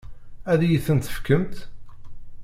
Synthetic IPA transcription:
æðjiθənt̪ə̥fkəmt̪

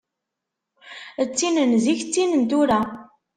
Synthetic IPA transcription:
ət͡sːinənziçt͡sːinənt̪uɾa

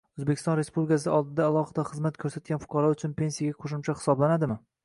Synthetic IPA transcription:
ɵzbekʲɪ̥st̪ɒnɾe̞spublʲɪkasɪʔɒlˠd̪ɪd̪aːlˠɒχɨd̪aχɨzmat̪kʰɵɾsat̪̚ɡʲanfʊ̥qʰɑɾɒʊt͡ʃʰʊnpʰe̞nsijaɡʲaqʰoʃʊmt͡ʃʰaχɪ̥sɒblanad̪ɪmɪ

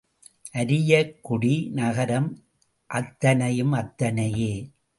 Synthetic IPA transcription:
ʔɐɾɪjɐkːʊɽinɐɣɐɾɐm | ʔɐt̪ːɐnɐjɯmɐt̪ːɐnɐjeː

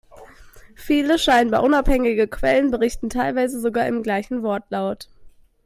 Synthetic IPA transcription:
fiːləʃaɪənbaɐʔʊnaphɛŋɪɡəkʰv̥ɛlənbəʁɪçtn̩tʰaɪlvaɪzəzoɡaːɐɪmɡlaɪçn̩vɔɐtʰlaʊt

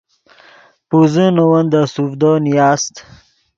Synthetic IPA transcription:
puzənowənd̪əsufd̪onijɑːst̪

